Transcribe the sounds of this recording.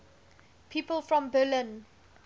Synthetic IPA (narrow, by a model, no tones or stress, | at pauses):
pʰiːpəlfɹɔ̃mbəlɪ̃n